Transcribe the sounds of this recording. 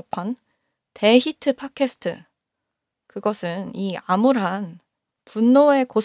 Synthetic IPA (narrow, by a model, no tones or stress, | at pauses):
pʰan | te̞çitʰɯpʰakʰe̞sʰɯ̥tʰɯ̰ | kɯɡʌsʰɯniamuɾɦan | punːoe̞kos